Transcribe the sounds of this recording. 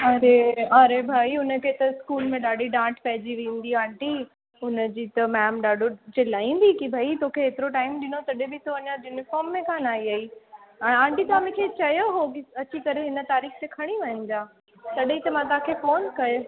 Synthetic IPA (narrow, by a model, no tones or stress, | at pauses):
ɐɾeɐɾebʱaːiʊnə̆kʰet̪ɐɪskuːlmẽɗaːɖiɖãːʈʰpɐɦɪd͡ʑiʋẽːn̆d̪iãːɳʈi | ʊnəd͡ʑiːt̪ɐmɛːmɗaːɖʱod͡ʑelaːĩːn̆d̪ikibʱɐit̪okʰeeːt̪ɪɾoʈaːɪmɗɪnot̪ɐɗebɪt̪ʰoɐɲajuːnɪfɔːɾmːẽkʰãnaːɦiɐiɛ̃ːãːɳʈit̪ɐaːmẽkʰet͡ɕɐjoɦokiɐt͡ɕikɐɾeɦɪnə̆t̪aːɾiːxt̪ekʰɐɽ̃iʋɐ̃ɦə̃nd͡ʑaː | t̪ɐɗit̪ɐmãt̪̬ɐãkʰefoːnkɐjo